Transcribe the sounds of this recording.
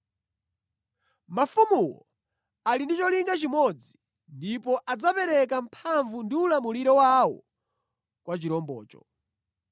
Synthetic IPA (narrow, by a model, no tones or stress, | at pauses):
mafumuwɔ | alindit͡ʃɔliŋɡat͡ʃimɔd͡zi | ndipɔʔad͡zapɛɾɛkam̩pʰaɱvundiulamuliɾɔwawɔ̰ | kwat͡ʃiɾɔmbɔ̰ːt͡ʃɔ̰